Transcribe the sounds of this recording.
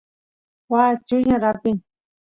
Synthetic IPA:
wat͡ʃʊɲaɾapɪŋ

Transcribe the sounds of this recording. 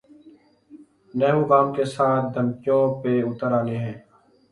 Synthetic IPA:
nɛːɦuːɡaːmkeːsaːt̪̚ʰd̪ʱəmkɪjõːpeːʊt̪əɾaːneːɦɛ̃ː

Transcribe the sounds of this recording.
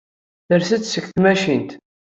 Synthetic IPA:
θəɾsət͡sːsəkθmæʃint̪

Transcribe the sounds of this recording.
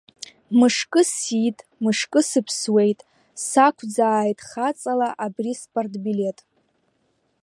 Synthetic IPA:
mɨʂkʼɨsitʼmɨʂkʼɨsɨpʰswe̞jtʼ | sakʷʰd͡zaːjtʼχat͡sʼalaʔabrispʼortʼbile̞tʼ

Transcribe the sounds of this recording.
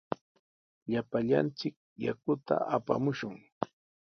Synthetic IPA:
ʎapaʎa̰nt͡sɪk̚jakʊt̪a̰ʔapa̰mʊʃʊŋ

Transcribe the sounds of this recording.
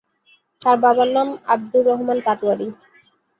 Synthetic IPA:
t̪aɾbabanːama̰b̚d̪uɾɔɦmanpat̪uaɾi

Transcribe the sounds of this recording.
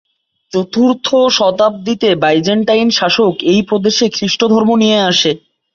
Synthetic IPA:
t͡ɕot̪uɾt̪ʰoʃɔt̪ap̚d̪it̪ebajd͡ʑeɳʈajnʃaʃokejpɾod̪eʃekɾiʃʈod̪ʱɔɾmonijeaʃe

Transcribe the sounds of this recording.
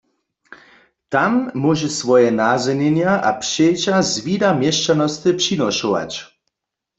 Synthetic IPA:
t̪amːɔʒɛsʋɔjɛnazɛnɛnjaʔa̰pʂejt͡ɕazvidamjɛʃt͡ʃanɔst̪ɨpʂinɔʃɔʋa̰t͡ɕ

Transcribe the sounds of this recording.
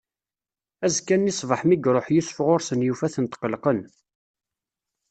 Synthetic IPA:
æzkːænːisˤvəħmiɡɾˤoħjʊsfʁʊɾsənjufæθənt̪qəlqən

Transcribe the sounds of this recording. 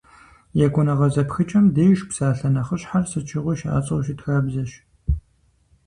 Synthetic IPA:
jɛkʷʊnɐʁɐzɐpxɨt͡ʃʼɐmdeːjʃpsaːɬɐnɐχəɕħarsɨt͡ʃʰɪʁʷɔʃa̰ːt͡sʼɐwʃitxaːbzɐɕ

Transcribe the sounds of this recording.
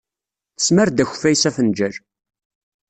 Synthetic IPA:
θə̥smæɾd̪æç̥fæjsæθənd͡ʒəɾ

